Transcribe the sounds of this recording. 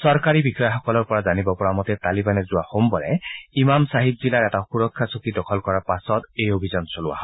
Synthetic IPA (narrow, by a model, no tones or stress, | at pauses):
sɔɹkaɹibixɔjɔxɔkɔlɔɹpɔɹazanibɔpɔɹamɔtɛtalibanɛzʊwahombɔɹɛ̰imamsaɦib̚zilaɹɛtaxuɹɔkʰːasukidɔkʰɔlkɔɹaɹpasɔtejobʱizɔnsolʊwa̰ɦɔ